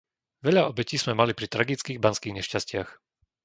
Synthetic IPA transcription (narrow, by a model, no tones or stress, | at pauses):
ʋɛʎaɔbɛciːz̥mɛmalipɾit̪ɾaɡit͡skiːɣbanskiːɣɲɛʃcascɪax